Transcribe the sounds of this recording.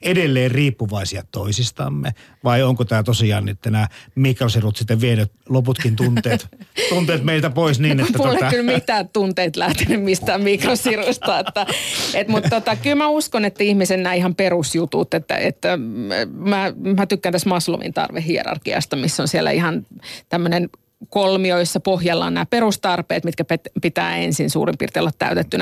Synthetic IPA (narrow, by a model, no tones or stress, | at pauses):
edelːeːrriːpːuʋɑˑisiɑt̪oisist̪ɑ̰mːḛ | ʋɑioŋkot̪æːt̪osiɑ̰ːnnit̪ːænæːmikrosirut̪sit̪ːeʋʋienøt̪loput̪kint̪unt̪eːt̪t̪unt̪eːt̪meˑilt̪æpoˑisniːnetːæuolɑylmit̪æːt̪t̪unt̪eːt̪læht̪enymmist̪æːmmikrosirust̪ɑet̪ːæet̪mut̪tːot̪ɑkylmæuskonet̪ːæihmisennæːihɑmperusjut̪ṵt̪et̪ːæ̰ḛt̪ːæ | mæmæt̪ykːænt̪æsmɑslṵmḭnt̪ɑ̰rʋehɦiḛrɑ̰rkiɑ̰st̪ɑmisːonsielæ̰ihɑnt̪æmːønen | kolmioosːɑpohjɑlːɑ̰ːnnæːpeɾust̪ɑrpḛːt̪mit̪kæpet̪pit̪æ̰ːḛnsinsṵːrimpḭrt̪iolːɑt̪t̪æ̰yt̪et̪ːynæ